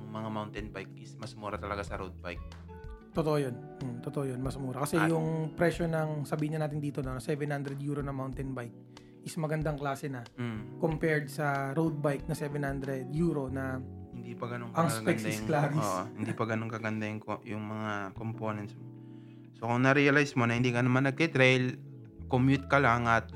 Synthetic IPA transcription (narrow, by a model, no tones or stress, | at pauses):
ʊŋmɐŋamawnt̪ɛnbajkʔɪsmɐsmuːɾɐt̪ɐlɐɡasɐɾowd̪̚ba̰jk̚ | t̪ot̪oʔojon | t̪ot̪oʔojonmɐsmuːɾɐkɐsɛjʊŋpɾɛʃo̞nɐŋsɐbiːhɪɲːɐnaːt̪̬ɪnd̪iːt̪onɐnsɛvɛnhand̪ɾɛd̪juːɾonɐmawnt̪ɛnbajk̚ | ʔɪsmɐɡɐnd̪aŋklaːsɛnɐkompɛɹd̪̚sɐɾowd̪̚bajk̚nɐsɛvɛnhand̪ɾɛd̪juːɾo̞nɐhɪnd̪ipɐɡɐnoŋɐŋsɐɡpɛnd̪ɐŋlaːsɪosʔohɪnd̪ipɐɡɐno̞ŋkɐɡɐnd̪ɐjŋkojʊŋmɐŋakomponɛnt̪smo | sokʊŋnɐɾiɐlajsmo̞nɐhɪnd̪ikɐnɐmanːɐɡ̚kɛt̪ɾɛjl | komjut̪̚kɐlaŋɐt̪̚